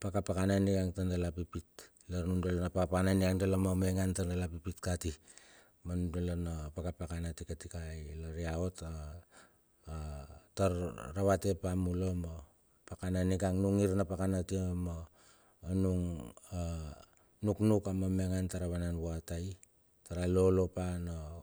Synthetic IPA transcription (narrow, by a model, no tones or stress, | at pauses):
pakapakananikaŋtandalapipit | laɾnundalonapakapakananikaŋdalamome̞ŋantandalapipitkati | manudalonapakapakanatikatikajlaɾiaota | taɾɾaβate̞pamulomo | pakananikaŋnuŋiɾnapakanatiamoː | nuŋa | nuknukamame̞ŋantaɾaβananβoataj | taɾalo̞lo̞pano